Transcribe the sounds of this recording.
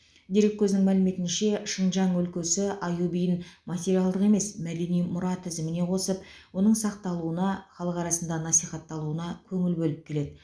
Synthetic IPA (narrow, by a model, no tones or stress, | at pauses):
d̪eɾekʲʰːɵznɪŋmælɪme̞t̪ɪnʃe̞ʃəɴʒɑɴɵlkʲe̞sɪɑjubijɪnmɑt̪ʲe̞ɾiɑlˠd̪əqe̞me̞smæd̪e̞nijmʊɾɑt̪ʰɪzɪmɪne̞qʰo̞səpwo̞nəɴsɑqt̪ɑlˠuənɑχɑlˠəqɑɾɑsənd̪ɑnɑsijχɑt̪ːɑlˠuənɑkʲʰɵŋɪlbɵlɪp̚kʲʰe̞le̞d̪ɪ